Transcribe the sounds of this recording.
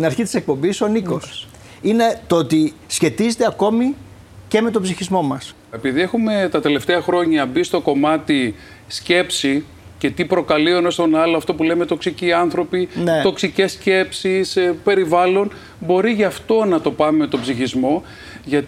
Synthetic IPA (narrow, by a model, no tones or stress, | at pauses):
t̪inɐɾçit̪i̥se̞k̚po̞mbiso̞niko̞s | ine̞t̪oot̪isçe̞t̪izet̪eɐko̞mi | ce̞me̞t̪o̞bziçizmo̞mɐs | epiðie̞xume̞t̪ɐt̪e̞le̞ft̪eɐxɾo̞ɲɐbist̪o̞ko̞mɐt̪i | sce̞psi | ce̞t̪ipɾo̞kɐlionost̪o̞nɐloɐft̪o̞pule̞met̪o̞ksiciɐnθɾo̞pinet̪o̞ksice̞sce̞psispe̞ɾivɐlo̞n | bo̞ɾiʝɐft̪o̞nɐt̪o̞pɐmeme̞t̪o̞bziçizmo̞ | ʝɐt̪